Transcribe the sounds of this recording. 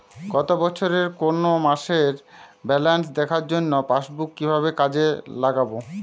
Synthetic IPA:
ɡɔt̪obɔt͡ɕʰoɾeɾkonomaʃeɾ | bɛlans̬d̪ɛkʰaɾd͡ʑonːopaʃbukːibʱaβekad͡ʑelaɡabo

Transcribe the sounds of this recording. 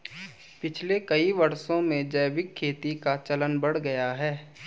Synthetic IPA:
pɪt͡ʃʰlekɐiʋɐɾsõmẽd͡ʒɐːʋɪkʰːeːt̪ikat͡ʃɐlənbɐɽ̤ɡɐjaɦɛː

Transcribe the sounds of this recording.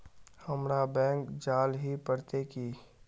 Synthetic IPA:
həmɾabɛ̃ːŋkd͡ʒaːlɦipəɽt̪eki

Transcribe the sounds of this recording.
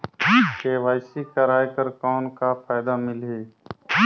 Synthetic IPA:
keːʋaːɪsikəɾaːjkəɾkɔːnkafaːɪd̪amɪlɦeː

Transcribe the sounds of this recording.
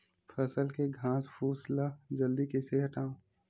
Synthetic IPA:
fʰəsəlkeɡʱãːspʰuːslad͡ʒɐld̪ikeseɦɐʈãː

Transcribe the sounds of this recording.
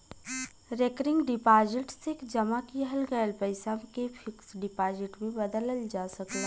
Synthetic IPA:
ɾekɾɪ̃ŋɡɖɪpaːzɪʈsekd͡ʒɐmakiɦɐlɡəjlpəɪsamkefʰɪksɖɪpaːzɪʈmẽbɐd̪ələld͡ʒaːsɐklaː

